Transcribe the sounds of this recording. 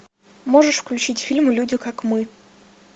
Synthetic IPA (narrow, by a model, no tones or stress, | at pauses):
moʐɨʂfklʲʉt͡ɕitʲfʲilʲmʊlʲudʲɪkakmɨ